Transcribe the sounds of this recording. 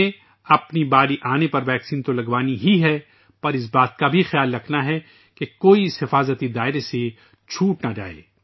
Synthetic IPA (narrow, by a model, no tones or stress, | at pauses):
e | ɐpnibaːɾiʔaːnepɐɾʋɛːksiːnt̪olɐɡʋaːniɦiɦɛ | pɐɾɪs̬baːt̪̚kabʱixjaːlːɐkʰnaɦɛ | kekoːiɪsɦɪfaːzət̪id̪aːɪɾese | t͡ʃʰuːʈnad͡ʒa̰ːḛː